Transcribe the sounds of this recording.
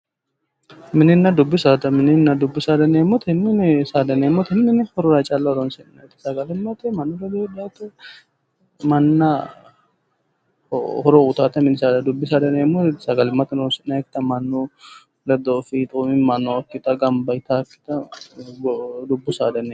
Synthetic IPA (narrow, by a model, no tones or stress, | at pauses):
mɪnɪnːɐd̪ʊbːɪsaːt̪ɐmɪnɪnːɐd̪ʊbːɪsaːd̪ɐneːmːɔt̪ʰɛmːɪnɪsaːd̪ɐnemːɔt̪ʰɛmːɪnɪhɔɾɔɾɐt͡ʃʼalːɐɔɾɔnsɪnnɐjt̪ɪ̥sɐɡɐlɪmːɐt̪ɛmɐnːɔɾɛd̪edɪjaːt̪ʊ | mɐnːɐ | hɔɾoʊt̪aːt̪ɐmɪnɪsaːd̪ɐd̪ʊbːɪsaːd̪ɐneːmːɔsɐɡɐlɪmːɐt̪ɪnonsɪnnɐjkɪt̪ɐmɐnːu | lɛd̪ɔːfit̪ʼuːmɪmɐnːɔɐkːɪt̪ɐɡɐmbɐɪt̪aːkːɪ̥t̪ɐɡd̪ʊbːʊsaːd̪ɐne